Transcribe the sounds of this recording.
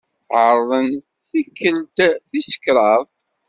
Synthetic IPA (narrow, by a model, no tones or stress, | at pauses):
θʕəɾˤðˤən | θikːəld̪θisə̥kɾˤɑðˤ